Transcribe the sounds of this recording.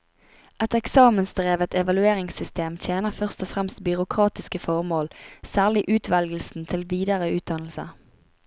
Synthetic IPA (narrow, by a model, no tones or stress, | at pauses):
ʔɛt̪ɛksɑːmənsd̪ʁeːʋət̪ʰɛʋɑlʉeːʁɪŋsʏst̪eːmt̪ʰjeːnəʁfœʁst̪ɔfʁɛmst̪bʏʁʊkʰʁɑːt̪ɪskəfɔʁmoːlsæːʁlɪʔʉːt̪ʰʋɛlɡl̩sn̩t̪ʰɪlʋiːd̪əʁəʉːt̪̚d̪ɑnl̩sə̰